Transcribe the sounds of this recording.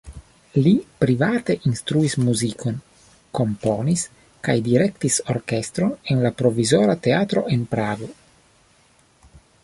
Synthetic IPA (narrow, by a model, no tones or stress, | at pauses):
lipɾivat̪e̞ʔinst̪ɾuismuzikʰo̞n | ko̞mponis | kajdiɾe̞kt̪iso̞̰ɾke̞st̪ɾo̞nenlapɾo̞vizo̞ɾat̪e̞at̪ɾo̞̰ʔe̞npɾaɡo̞